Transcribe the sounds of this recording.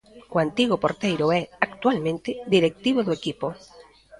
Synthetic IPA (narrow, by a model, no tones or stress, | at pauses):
koant̪iɣopoɾt̪ejɾoɛakt̪walmẽnt̪ɪd̪iɾek̚t̪iβoðoekipo